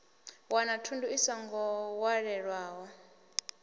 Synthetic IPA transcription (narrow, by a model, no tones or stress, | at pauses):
wanatʰundʱuisaŋɡɔwaɺɛɺwaːwɔ